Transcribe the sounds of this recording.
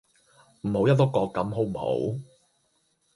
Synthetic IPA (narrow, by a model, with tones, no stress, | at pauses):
m̩˨˩ho˨˥wjɐ˥t̚t̪ɔː˥kɔː˧kːɐ˨˥mɦo˨˥wm̩˨˩ho̰˨˥w